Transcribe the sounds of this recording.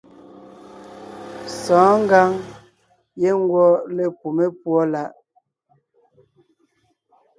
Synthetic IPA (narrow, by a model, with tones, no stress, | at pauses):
sɔ̃ː˨˦ŋ̩˦ɡa˦ŋ | je˦ŋ˦ɡwɔ˦le˦pu˨me˦pwɔ˦la˦ʔ